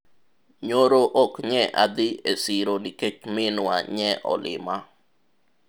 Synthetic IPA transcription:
ɲoɾoʔokɲɛʔa̰d̪ɪesiɾoniket͡ʃmɪnwa̰ɲɛʔɔ̰lɪ̰ma

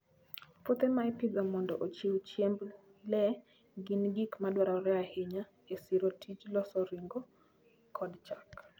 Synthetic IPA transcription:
pot̪emaɛpɪɡamɔndɔʔot͡ʃiwt͡ʃjemb | lɛ | ɡinɡikmadwaɾaɾɛahɪɲa | esiɾotʰit͡ʃlɔsɔɾiŋɡo | kʰɔdt͡ʃak

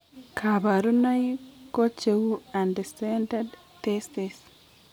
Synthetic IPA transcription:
kʰaβaɾunajkot͡ʃewuandesended | t̪estes

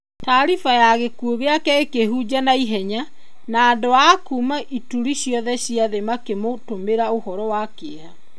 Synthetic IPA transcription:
taɾifajaɣekuoɣeakɛekeɦud͡ʑanaiɦɛɲa | naːndoakuːmaʔituɾiɕjɔðɛɕiaðemakemotomeɾaohɔɾɔwakea

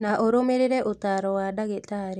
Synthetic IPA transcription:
naʔoɾomeɾeɾɛʔot̪aɾɔwadaɡetaɾe

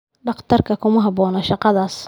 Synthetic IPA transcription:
ɖɑχt̪ʰɐrkʰɐkʰʊmɐɦɑbɔːnɔʃɑqɑðaːs

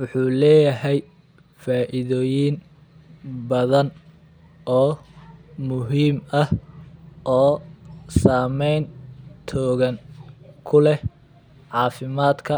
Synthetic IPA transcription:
wʊħuːlɛːjɐɦɛj | faːʔɪðɔːjɪn | bɐðɐn | ʔɔː | mʊɦiːmɐh | ʔɔːsaːmɛjnt̪ʰɔːɣɐnkʰʊlɛ | ʕɑːfɪmaːd̪kʰɐ

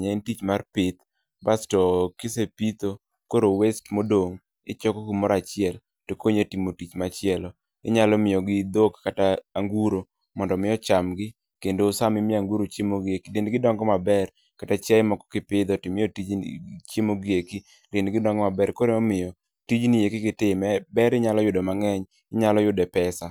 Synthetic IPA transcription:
ɲaɪntit͡ʃmarpɪt̪ | bastɔkɪsepit̪o | koɾowestmodoŋ | ɪ̰t͡ʃɔkɔɡimɔɾat͡ʃɪɛl | tokoɲetimotit͡ʃmat͡ʃɪɛlɔ | ɪ̰ɲalɔmɪjɔɡɪd̪okkataːŋɡuɾo | mɔndɔmɪɔt͡ʃamɡɪ | kendoːsamɪmɪaŋɡuɾot͡ʃemoɡekidenɡɪdɔŋɡɔmabɛr | katat͡ʃɛɪmɔkɔ̥kɪpɪd̪ɔtɪmɪjotit͡ʃemoɡjeki | lɪnɡɪdɔŋɡɔmabɛɾkoɾemamɪjɔ | tid͡ʒnɪjekɪkɪtɪmɛbɛɾɪɲalɔjʊdɔmaŋɛɲ | ɪɲalɔjʊdɛpɛsa

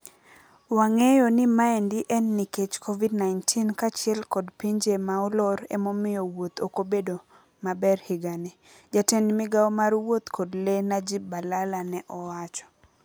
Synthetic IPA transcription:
waŋejɔnɪmaɛndiʔɛnːiket͡ʃkʰovidnaɪntʰinkat͡ʃɪɛlkɔdpiɲd͡ʒemaɔlɔɾḛmomɪjɔwot̪okobedo | mabɛrhiɡane | d͡ʒatɛnmɪɡaɔmaɾwot̪kʰodlenad͡ʒibalalanɛʔɔwat͡ʃɔ̥

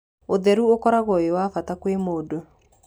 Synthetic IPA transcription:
oðɛɾuokɔɾaɣɔewafatakwemoːdo

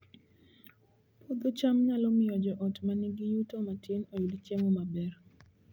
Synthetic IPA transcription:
pʰod̪ot͡ʃamɲalɔmɪjɔd͡ʒɔʔɔtmaniɡijutomatʰɪnowidit͡ʃemɔmabɛr

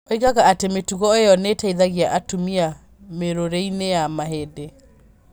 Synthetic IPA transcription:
oiɣaɣaatemetuɣɔejɔnetaiðaɣiaʔatumia | meɾoɾeinejamaɦede

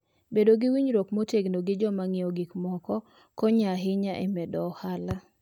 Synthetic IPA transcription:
bedoɡɪwiɲɾokmoteɡnoɡɪd͡ʒɔmaŋɪɔɡikmɔkɔ | kɔɲaɦɪɲaʔɛmɛdɔhala

